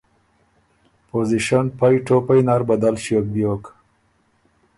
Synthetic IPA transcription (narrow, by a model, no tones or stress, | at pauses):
poziʃanpajʈopajnaɾbad̪alɕiok̚bjok